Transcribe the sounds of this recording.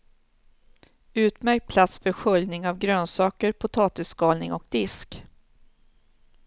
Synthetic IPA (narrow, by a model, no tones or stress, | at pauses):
ʉ̟ːt̪mæɾk̚pʰlat̪sfœɧɵljnɪŋavɡɾøːnsɑːkəɾpʰʊt̪ʰɑːt̪ɪsːkɑːlnɪ̰ŋɔk̚d̪ɪsk